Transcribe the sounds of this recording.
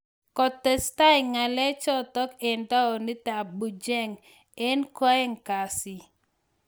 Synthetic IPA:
kɔ˨tːɛ˨sta˦ɪ˨ŋa˨lɛ˦t͡ʃɔ˦tɔ˦ke˨nda˦ɔ˨nɪ˦ta˨bu˨d͡ʒɛ˦ŋ | ɛ˦nkɔ˦ɛ˦ŋka˨si˨

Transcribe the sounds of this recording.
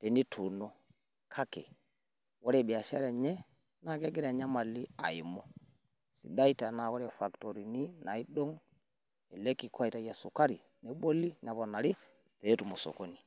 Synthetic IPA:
tɛ˨ni˦tʰu˨nɔ˦ | kʰa˦kɛ˨ | wɔ˦ɾɛ˦˨ɓi˨a˨ʃa̰˦ɾɛ˨ɲɛ˦ | na˨kɛ˦ɡɛ˦ɾa˨ɲa˦ma˨li˦a̰˨i˨mɔ˦ | sḭ˨da˦i˦ta˨na˨wɔ˦ɾɛ˨fa˨ktɔ˨ɾi˨ni˦na˨i˦ɗɔ˦ŋ | ɛ˨lɛ˦ki˨kwa˦i˨ta˨ja˨su˨ka˦ɾi˨ | nɛ˨˦ɓɔ˦li˦ɲa˨βɔ˨na˨ɾi˦ | tɛː˨˦tu˨mɔ˨sɔ̰˨kɔ˦ni˨

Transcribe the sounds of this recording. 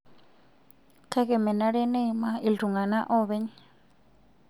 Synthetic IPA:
kʰa˦kɛ˨mɛ˨na˦ɺɛ˦ne˦˨ma˨ʔi˨ldu˨ŋɡa˨na˦ʔɔ˦βɛ˦ɲ

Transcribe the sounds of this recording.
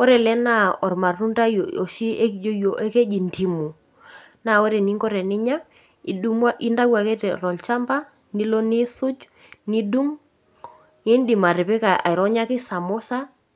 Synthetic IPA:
ɔ˦ɾɛ˨lɛ˦na˦˨ɔ˨ɾma˨ru˦nda˦jɔ̰˨ʃi˦e˦ki˨d͡ʒo˦jo˨ʔe˦ke˦d͡ʒi˨nti˨mu˨ | na˨o˦ɾɛ˨ni˦ŋɡɔ˦ɾɛ˨nɪ˦ɲa˦ | i˨ɗu˦mwa˦ʔi˦nda˦wa˨ke˦tɛ˨ɾɔ˨lt͡ʃa˦mba˦ | ni˦lɔ˦ni˦sʊ˦d͡ʒ | ni˦du˦ŋ | i˦ndi˨ma˨ɾɪ˨pɛ˦ka˨a̰˨jɾɔ˦ɲa˦kɪ˦sa˨mo˦sa˦

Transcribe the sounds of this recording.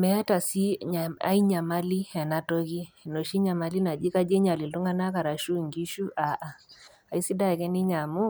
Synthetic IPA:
mɛ˨a˦ta˨si˦a˨a̰˦i˦ɲa˨ma˦li˦ɛ˨na˨to˦ɣi˦˨no˨ʃi˦ɲa˨ma˨li˦na˨d͡ʒi˦ka˦d͡ʒe˦ɲa˨li˨ltu˦ŋa˦na˦ka˨ɾa˨ʃu˦˨ŋɡi˦ʃu˦a˨ʔa˨ | a˨i˦si˦da˦˨kɛ˦ni˦ɲa˨mu˦

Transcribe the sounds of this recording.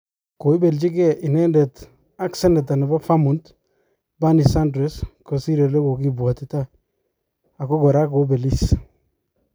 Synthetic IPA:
ko˨i˦be˨lt͡ʃi˦ke˦ʔi˨ne˦nde˨t | a˦kse˦nde˨ta˨ni˨ba˦fa˦mu˨nt | ba˦ni˨sa˦ndɾesko˨si˦ɾe˨le˦ko˨ki˦bwa˨tita˦ | a˨ko˦ɡɔ˨ɾa˦ko˨˦be˨lis

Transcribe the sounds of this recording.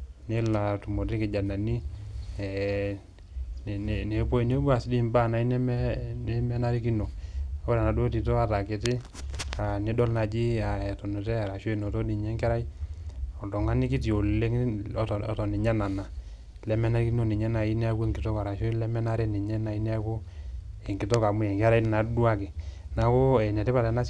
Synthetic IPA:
nɪ˦la˨tu˨mo˨ti˦kɪ˨d͡ʒa˨na˨ni˦ɛ˨ | n˨n˨ne˨˦po˦i˦ni˦bu˦a˨si˦di˦mba˦˨na˨i˦nɛ˦mɛ˦nɛ˦mɛ˦na˦ɾi˦ki˦no˨o˦ɾa˨na˨do˦ti˨to˦ka˨ta˨kɪ˨tɪ˦ | a˨ni˦dɔ˦lna˨d͡ʒi˦a˨ɛ˨tɔ˨nu˨tɛ˦a˨ɾa˨ʃo˦˨no˨to˦di˨ɲɛ˦ŋkɛ˦ɾa˦jɔ˨tɔ˨ŋa˦nɪ˦ki˦t̬i˨o˨le˦ŋ˦ttɔ˨ni˨ɲa˦na˨na˨ | lɛ˨˦mɛ˦na˦ɾi˦ki˦no˦ni˨ɲɛ˦na˨i˦nɛ˦a˦ku˦e˨ŋki˨tɔ˦ka˨ɾa˨ʃo˦lɛ˦mɛ˦na˦ɾɛ˦ni˨ɲɛ˦na˨i˦nɛ˦a˦ku˦ | ɛ˨ŋki˨˦tɔ˦ka˨mu˨jɛ˨ŋka˦ɾa˦i˦na˨du˦a˦kɪ˨ | na˨kʊ˦ɛ˨nɛ˨tɛ˦pa˨ta˨˦na˦

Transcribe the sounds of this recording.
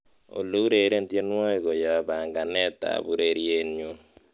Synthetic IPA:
o̰˨lo˦u˦ɾe˨ɾe˦n̩˨tje˦nwɔ˦i˨ɡo˨jɔ˨a˨ba˨ŋɡa˨nɛ˦ta̰˨βu˦ɾe˦˨ɾje˦nɲo˦

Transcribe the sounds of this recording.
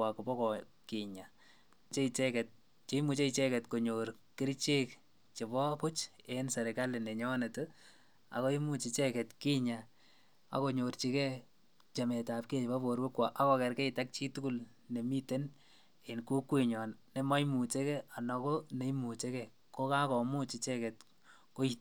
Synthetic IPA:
wa˨ko˨pɔ˦kɔ˨ | ki˨ɲa˨ | t͡ʃe˦it͡ʃɛ˦kɛ˨t̚ | t͡ʃe˦i˦mu˨t͡ʃe˦it͡ʃe˦kɛ˨tko˨ɲo˨ɾ | kɪ˦ɾt͡ʃe˦k | t͡ʃe˨pɔ˦pʊ˦t͡ʃe˨nsɛ˨ɾeka˦lɪ˨ne˨ɲɔ˦ne˨tɛ | a̰˨ko˦i˦mu˦t͡ʃi˨t͡ʃɛ˦kɛ˨tki˦ɲa˨ | a̰˨ko˨ɲo˨ɾt͡ʃi˨kɛ˦ | t͡ʃe˨me˨ta˨p̚ke˦˨pa˦bo˨ɾwe˦kwa˨ʔa˦kɔ˨˧kɛ˨ɾkɛ˦i˨ta˦k̚t͡ʃi˦tu˦ku˦l | ne˨mi˦te˦n | e˨nko˦kwe˨ɲɔ˨nne˨mɔ˦i˦mu˨t͡ʃe˦kɛ˦a˨nɔ˨ko˦ne˨i˦mu˨t͡ʃe˦kɛ | ko˦ka˦kɔ˨mu˦t͡ʃi˨t͡ʃɛ˦kɛ˨t | ko˦i˦t

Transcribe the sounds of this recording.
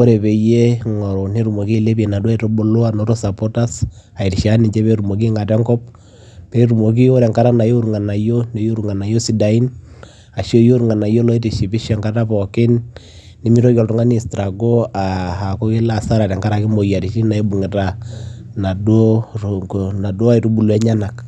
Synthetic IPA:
o˦ɾe˨pe˨je˦ŋɔ˨ɾo˨ne˦ɾu˨mo˨ki˦˨le˦pi˦e˨na˨du˦a˦e˦to˦bo˦lo˦a˦no˨˦ɾo˦sa˨po˦ta˦s | a˨i˨ti˨ʃa˦ni˨t͡ʃe˦pe˦ɾu˨mo˨k̬i˦ŋa˨tɛ˦ŋkɔ˦p | pe˦ɾu˨mo˨k̬i˦o˦ɾɛ˨ŋka˦ɾa˦na˨jo˦u˦ɾu˨ŋa˨na˨jo˦ne˨˦jo˦ɾu˨ŋa˨na˨jo˦si˨da˨i˦n | a˨ʃo˦jo˦ɾu˨ŋa˨na˨jo˦lɔ˦i˦ti˨ʃi˨pi˦ʃɛ˨ŋka˦ta˦pɔ˨kɪ˦nː | i˨˦mi˦ɾo˦kɔ˨ltu˨ŋa˦ni˦˨stɾa˨ɡo˦a˨ha˨kɔ˦ki˦la˨sa˦ɾa˨tɛ˨ŋka˦ɾa˨ki˦mo˨ja˨ɾi˨ʃi˦na˨i˦bu˨ŋɛ˨ta˨na˨do˦ | na˨dwo˦a˦i˨tu˦bu˨lwɛ˦ɲa˦na˨k

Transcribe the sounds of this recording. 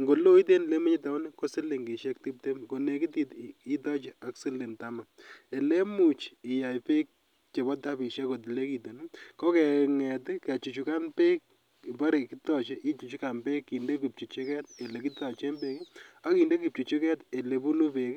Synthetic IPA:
ŋɡo˨lo˦i˦t̬e˦n˨le˦mu˦ɲi˦ta˨˦ni˦ko˦si˦le˨ŋɡi˨ʃɛ˦kti˦p̚te˦mko˨ne˨ki˦ti˦ti˦tɔ˦t͡ʃe˦a˦ksi˦lɪ˨nta˨ma˨me˨le˦mu˨t͡ʃi˨ja˨jpe˦k̚ | t͡ʃe˨bɔ˦ta˦pi˨ʃɛ˦ko˨t̬i˨le˦ki˨to˨nu˦kɔ˦kɛ˨ŋɛ˨tɪke˨t͡ʃu˨t͡ʃu˨ka˦npe˦k̚ | i˨pa˦ɾe˨ki˦tɔ˨t͡ʃe˦ʔi˦t͡ʃu˨t͡ʃu˦ka˨npe˦kːi˨nde˦k̬i˨p̚t͡ʃu˨t͡ʃi˦kɛ˦t̚e˨le˨ki˦tɔ˨t͡ʃe˦mbe˦ki˦a˨˦ki˨nde˦ki˨p̚t͡ʃu˨t͡ʃu˦kɛ˦te˨le˨bu˦nu˦pe˨k

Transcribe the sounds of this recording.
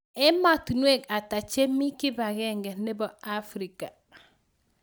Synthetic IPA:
ɛ˦ma˦tu˨nwe˦˨ka˨ta˨t͡ʃe˦mi˦ki˦ba˨ɡɛ˦ŋɡɛ˨nɛ˦bɔ˨a˦fɾi˨ka˨

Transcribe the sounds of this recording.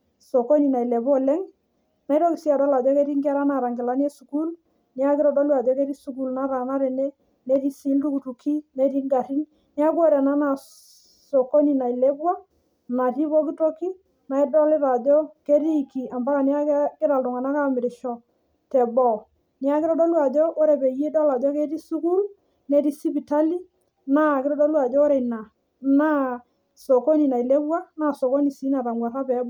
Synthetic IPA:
so˨ko˦ni˨na˨i˨le˨bo˦lɛ˦ŋ | na˨˦jɾɔ˦kɪ˨si˦a˨dɔ˦la˨dɔ˦ke˦ɾi˦ŋɡi˦a˦ɾa˦na˨ɾa˨ŋɡɪ˨la˦n˦ɛ˦su˨ku˦l | ni˦a˦kɪ˦ɾɔ˦dɔ˦lɪ˦a˨dɔ˦ke˦ɾi˦su˨k̬u˦lna˦ɾa˨na˦ɾɛ˨ne˦ | ne˦ɾi˦si˦ltu˦ku˨tu˨kʰi˦ne˦ɾi˦ŋɡa˨ɾi˦ŋ | ni˦a˦kɔ˦ɾɛ˨na˦na˨ | so˨ko˦ni˨na˨i˨le˦bwa˦ | na˨ti˦bɔ˦k̬ɪ˦to˦ki˦ | na˨ɪ˦dɔ˦lɪ˦ɾa˨d͡ʒo˦ke˦ɾi˦˨ki˨a˨mba˦ka˨ni˦a˦kkɪ˦ɾa˨ltʊ˨ŋa˨na˦ka˦mɪ˨ɾɪ˨ʃɔ˦ | tɛ˨bɔ˦˨ | ni˦a˦kɪ˦ɾɔ˦dɔ˦lwa˨d͡ʒo˦ʔo˦ɾe˨pe˨je˦dɔ˦la˨d͡ʒɔ˦ke˦ti˦su˦ku˦l | ne˨˦di˦si˦pi˨ta˦li˦ | na˦˨kɪ˦ɾɔ˦dɔ˦lwa˨d͡ʒɔ˦o˦ɾe˨na˨ | na˦ | so˨ko˦ni˨na˨i˨le˦bwa˦na˨so˨ko˦ni˨si˨˦na˨ta˨ŋɡwa˨ɾa˦pɛ˨˦b

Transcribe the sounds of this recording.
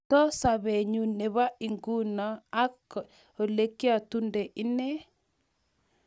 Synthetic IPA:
tɔ˦sa˨βe˨ɲu˨ne˨βa˦i˨ŋɡu˦nɔ˨a˦k | o˨le˦kja˨tu˦nde˨ʔɪ˦ne˦

